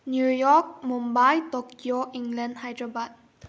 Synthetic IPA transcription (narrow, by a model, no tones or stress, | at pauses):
njujɔk̚mũmbajtɔkʰjoʔĩŋɡlə̃ndhajdɹəbat̚